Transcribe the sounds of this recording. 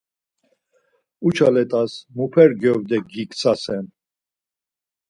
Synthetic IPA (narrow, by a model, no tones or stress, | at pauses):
ut͡ʃʰalɛt̪ʼasmupʰɛɾɡɔvd̪ɛɡikʼt͡sʰasɛn